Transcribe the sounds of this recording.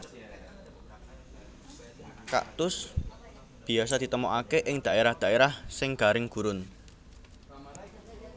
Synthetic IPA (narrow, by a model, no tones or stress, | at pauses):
ka̰ʔt̪ʊs | b̥i̤asad̪̥i̤t̪əmɔʔakeʔɪŋd̪̥a̤ʔeɾahd̪̥ä̤ʔeɾahsɪŋɡ̥a̤ɾɪŋɡ̥ṳɾʊn